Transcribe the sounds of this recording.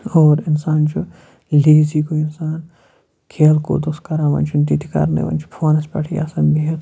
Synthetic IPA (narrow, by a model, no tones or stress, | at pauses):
ɔːɾɪnsaːnd͡ʒo | leːzikoɪnsaːn | kʰeːlko̰ːd̪oskɐɾaʋɐ̰nt͡ʃʰund̪it̪ika̰ɾnḛʋɐ̰nt͡ʃʰu̥pʰoːnɐspɐʈʰia̰ːsɐnbʱiɦe